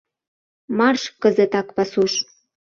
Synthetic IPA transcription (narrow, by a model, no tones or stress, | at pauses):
mɑrʃkə̆zə̆t̪ɑkpɑsuʃ